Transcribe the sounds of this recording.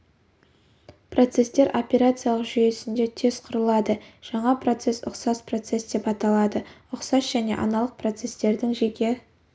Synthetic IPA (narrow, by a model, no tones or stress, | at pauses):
pro̞t̪se̞st̪e̞ɾʔo̞pʲeɾat̪sɨijalˠəqʒʏje̞sɪnd̪e̞t̪ʰe̞z̥qʰʊɾəlˠɑd̪əʒ̥ɑɴɑpro̞t̪se̞sʊ̰qsɑspro̞t̪se̞sd̪e̞pɑt̪ɑlˠɑd̪əʊqsɑsʒ̥æne̞̰ʔɑ̰nɑlˠəq̚pro̞t̪se̞st̪e̞ɾd̪ɪŋʒekʲe̞